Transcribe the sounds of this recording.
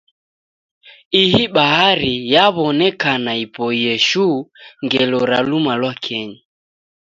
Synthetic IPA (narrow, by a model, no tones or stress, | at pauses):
ihiɓahaɾijaβɔnɛkanaipɔijɛʃuŋɡɛlɔɾalumalwakʰɛɲi